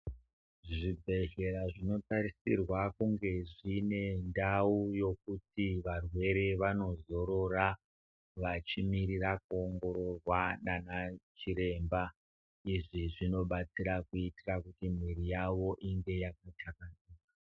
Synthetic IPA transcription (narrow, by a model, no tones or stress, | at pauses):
ʐibʱe̞ʒe̞ɾaʐino̞tarisirwakuŋɡe̞ʐine̞ndaujo̞k̚utiʋarwe̞ɾe̞ʋano̞zo̞ɾo̞ra | ʋat͡ʃimiɾirak̚uoŋɡo̞ɾo̞rwaɗanat͡ʃiɾe̞ːmba | iʐiʐino̞ɓat͡siɾakuitirakutim̤irijaʋo̞ʔiŋɡe̞jakatakaniːka